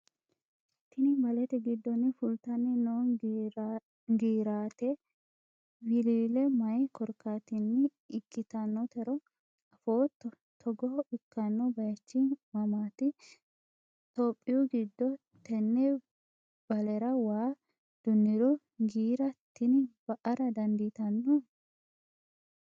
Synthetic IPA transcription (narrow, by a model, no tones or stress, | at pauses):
t̪ːɪnɪbɐlɛt̪ɛɡɪd̪ːɔnːɪfʊlt̪ɐnːɪnoː | ɡiːɾaːt̪ɛ | wɪliːlɛmɐjkɔɾkːat̪ɪnːɪː | kʼːɪt̪ɐnːɔt̪ɛɾɔ | ɐfoːt̪ːɔ | t̪ʰɔɡɔhɔɪkːɐnːɔbɐjɐt͡ʃːɪmɐmaːt̪ɪ | t̪oːpʼːɪjɔɡɪd̪ːɔ | t̪ɛnːɛ | b̥ɐlɛɾɐwaː | d̪̥ʊnːɪd̪ɔ | ɡiːɾɐt̪ːɪnb̥ɐʔɐɾɐd̪ɐnd̪it̪ɐnːɔ